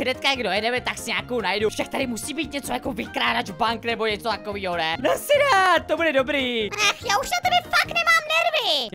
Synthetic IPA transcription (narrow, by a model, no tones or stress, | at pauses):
ɪdɛt̪kajaɡdojɛdɛmɛt̪aksɪɲaːkownajdufʃak̚t̪aɾɪmusiːbiːt̪̚ɲɛt͡so̞jakovɪkɾaːdat͡ʃbaŋknɛbo̞ɲɛt͡sot̪ako̞viːɦonɛnasɪdaːt̪̚t̪o̞budɛdo̞bɾiːnɛxjaːuʃnat̪ɛbɛfaknɛmaːmnɛɾvɪ